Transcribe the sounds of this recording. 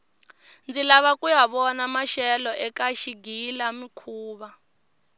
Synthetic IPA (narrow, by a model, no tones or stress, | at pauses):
nd͡zilaβakʼujaβɔnamaʃɛlɔʔɛkaʃiɡilamikʰuːβa